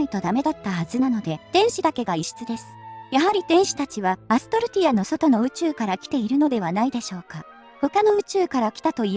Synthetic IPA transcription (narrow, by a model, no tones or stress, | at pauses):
it̪o̞d̪ame̞d̪at̪ːahazɨnano̞d̪e̞t̪ẽ̞ɰ̃ɕid̪ake̞ɡaiɕi̥t͡sɨd̪e̞sɨ̥jaɦaɾʲit̪ẽ̞ɰ̃ɕi̥t̪at͡ɕiβaːsɨ̥t̪o̞ɾɯ̟t̪ʲiano̞so̞t̪o̞no̞ɯ̟t͡ɕɨːkaɾakʲi̥t̪e̞iɾɯ̟no̞d̪e̞βanaid̪e̞ɕo̞ːka | ho̞kano̞ɯ̟t͡ɕɨːkaɾakʲi̥t̪at̪o̞i